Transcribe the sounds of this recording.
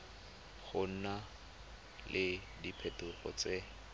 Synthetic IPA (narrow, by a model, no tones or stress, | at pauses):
χʊn̩na | lʔɪ | dipʰɛtʊχɔ̰t͡se